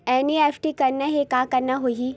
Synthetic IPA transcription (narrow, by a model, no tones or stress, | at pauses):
ɛːniɛːfʈikɐɾnaɦekaːkɐɾnaɦoɦi